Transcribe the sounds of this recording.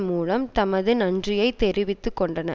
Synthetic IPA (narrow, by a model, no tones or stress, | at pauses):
muːlɐmt̪ɐmɐðɯnɐndrɪjɐɪt̪ːɛɾɪʋɪt̪ːɯkːɔɳɖɐnɐ̰